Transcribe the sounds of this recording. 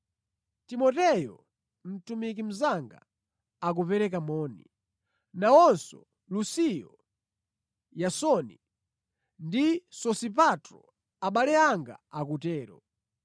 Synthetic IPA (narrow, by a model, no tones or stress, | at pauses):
timɔtɛjɔ̰ | m̩tumik̬im̩zaŋɡa̰ | ak̬upɛɾɛkamɔːnḭ | nawɔnsɔ̰ | lusijɔ | jasɔnḭ | ndisɔsip̬atɾɔ̰ | aɓalɛaŋɡa̰akutɛːɾɔ